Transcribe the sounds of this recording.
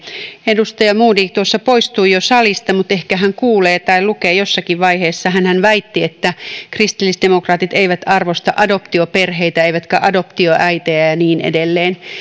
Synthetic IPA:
edust̪ɑjɑmuːdiːkt̪uosːɑpoist̪uːjosɑlist̪ɑmut̪ehkæɦæŋkuːleːt̪ɑilukeːjosːɑkiʋʋɑiheːsːɑɦænhænʋæit̪ːiet̪ːækrist̪ilːisdemokrɑːt̪it̪eiʋæt̪ɑrʋost̪ɑʔɑdo̞pt̪ioperheit̪æeiʋæt̪kæʔɑdo̞pt̪ioʔæit̪eæjɑniːnʔḛdelːeːn

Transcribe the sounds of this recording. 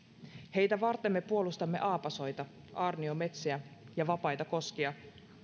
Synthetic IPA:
he̞jt̪æʋɑrt̪ːemːe̞puo̞lust̪ɑmːe̞̰ʔɑːpɑso̞jt̪ɑ | ʔɑːrnio̞me̞t̪seæjɑʋɑpɑjt̪ɑko̞skiɑ

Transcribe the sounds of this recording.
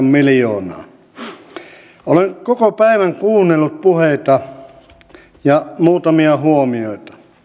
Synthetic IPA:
mmilijoːnɑ̰ː | oleŋkokopæiʋæŋkuːnːelːut̪̚puheit̪ɑ | jɑmuːt̪ɑmiɑhuomioˑit̪ɑ̥

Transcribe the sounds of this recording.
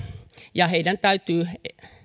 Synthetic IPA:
jɑheidænt̪æyt̪yː

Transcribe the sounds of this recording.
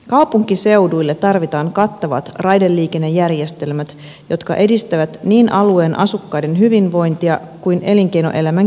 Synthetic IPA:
kɑwpuŋkise̞wdujlːe̞t̪ːɑrʋit̪ɑːŋkɑt̪ːɑʋɑ̰t̪rɑjdelːiːke̞nːe̞jːærje̞st̪e̞lmæt̪ | jo̞t̪kɑ̰ʔe̞dist̪æʋæt̪niːnʔɑlue̞ːnʔɑ̰sukːɑjde̞nɦyʋinʋo̞jnt̪iɑ | kujnʔe̞liŋk̟e̞jno̞̰ʔe̞læmæŋ

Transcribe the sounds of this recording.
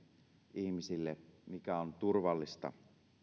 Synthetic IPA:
ʔihmisilːemikæont̪urʋɑlːist̪ɑ̰

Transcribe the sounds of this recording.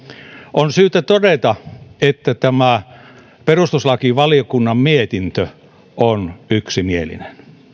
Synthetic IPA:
onsyːt̪æt̪odet̪ɑet̪ːæt̪æmæ | perust̪uslɑkiʋɑlijokunːɑmmiet̪int̪ø | onyksimielḭnen

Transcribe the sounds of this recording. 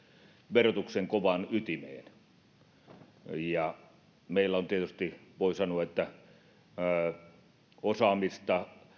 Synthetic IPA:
ʋerot̪ukseŋkoʋɑnyt̪imḛːn | jɑ | meˑilːæont̪iet̪yst̪iʋoˑisɑnuɑet̪ːæ | osɑːmist̪ɑ

